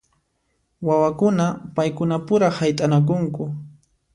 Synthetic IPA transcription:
wawakʊnapajkʊnapʊɾahajt̪ʼanak̬ʊŋkʊ

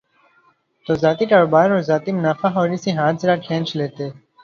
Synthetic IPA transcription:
t̪oːzaːt̪ikaːɾoːbaːɾɔːɾzaːt̪imʊnaːfaɦɔːɾiseɦaːt̪zɐɾakʰẽːnt͡ʃleːt̪eː

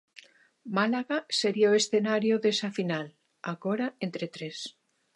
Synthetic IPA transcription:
malaɣaseɾioesθe̞naɾjoðesafinal | aɣoɾaent̪ɾet̪ɾes

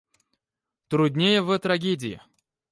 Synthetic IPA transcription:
t̪ɾʊdʲnʲejəvət̪ɾɐɡʲedʲɪɪ̰

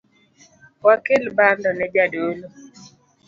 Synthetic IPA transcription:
wakɪlbandɔnɛd͡ʒadolo

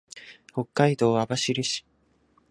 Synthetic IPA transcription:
ho̞kːaid̪o̞ːabaɕiɾʲɯɕi̥

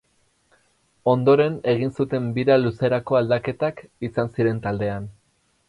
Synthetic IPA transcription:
o̞nd̪o̞ɾe̞ne̞ɣ̞insut̪e̞mbiɾaluse̞ɾako̞ald̪ake̞t̪akisansiɾe̞nt̪ald̪e̞an

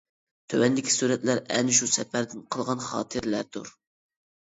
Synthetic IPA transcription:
t̪ʰøwɛnd̪ɪkʲʰi̥suːɾɛt̪læɾɛ̰nɪʃ̬usɛpæɾd̪ɪnqʰəlˠʁɑnχɑ̰ːt̪ʰɨɾlæɾd̪ṵɾ

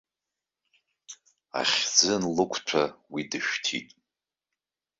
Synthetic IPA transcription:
a̰χʲd͡zɨnlɨkʷʰʈ͡ʂʷʰawidɨʃᶣtʰḭtʼ

